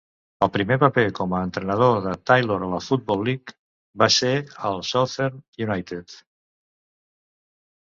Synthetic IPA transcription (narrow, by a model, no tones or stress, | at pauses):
əlˠpɾimepəpekɔməːnt̪ɾənəð̞oðət̪ajloɾələfut̪̚bɔlːik | baseəlˠsɔθeɾnjunajt̪ət̪